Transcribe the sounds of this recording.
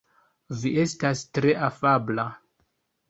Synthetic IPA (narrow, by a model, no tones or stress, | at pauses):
viʔe̞stastɾe̞ʔafabla